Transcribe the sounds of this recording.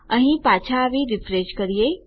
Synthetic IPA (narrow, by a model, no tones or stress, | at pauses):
ə̃ɦĩpaːt͡ʃʰaʋiɾɪfʰɾeʃkəɾije